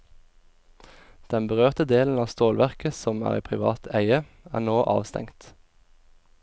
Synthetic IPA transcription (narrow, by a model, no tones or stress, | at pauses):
d̪̥ɛnbəʁøːʁt̪əd̪eːln̩ɑːst̪oːlʋæʁkəsɔmæ̰ːʁiːpʰʁɪʋɑ̰ːt̪ʰæɪə | æ̰ːʁnoːʔɑ̰ːʋst̪ɛ̰ŋt̪